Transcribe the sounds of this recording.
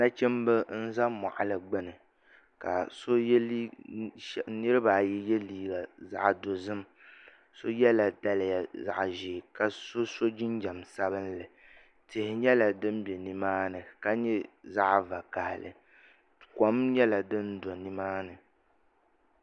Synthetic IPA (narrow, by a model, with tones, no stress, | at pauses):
na˦t͡ʃɛ˦mbɨ˦n̩˦za˦mɔ̰˨ʔa̰˨lɨ˨ɡ͡bɨ˦nɨ˨ | ka̰˨so˦l | nɨ˦ɾɨ˦baː˨jɛ˦jɛ˦liː˦ɡa˨za̰˦ʔdo˨zɨ˦m | so˦jɛ˦la˨da˦lɪ˦˨ja˨za̰˨ʔʒɪ˨ka˨so˦so˦d͡ʒi˦nd͡ʒa˨msa˦bɨ˦nlɨ˨ | tɪ˨hɪ˨ɲɛ˦la˨dɨ˦mbɛ˨ni˨maː˦nɨ˨ka˦ɲɛ˦za˦ʔva˨ka˨hɪ˨lɨ̰˨ | kɔ˨˦mɲɛ˦la˨dɨ˦ndo˨ni˨maː˦nɨ˨